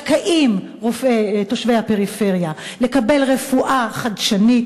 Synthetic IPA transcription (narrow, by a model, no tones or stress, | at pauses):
kaʔim | ʁofet̪oʃvejhapeʁife̞ʁja | le̞kabe̞lʁe̞fuʔaχad̪ʃanit